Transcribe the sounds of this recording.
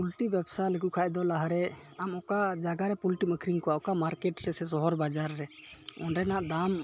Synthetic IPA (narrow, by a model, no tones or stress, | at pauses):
pulʈibɛbsalɛkuʔkʰaʔd̪ɔlaɦaɾɛamɔkaʔd͡ʒaɡaɾɛpulʈiməkʰɾiŋkɔaɔkamaɾkɛʈɾɛsɛsɔɦɔɾbad͡ʒaɾːɛɔnɾɛnaʔd̪am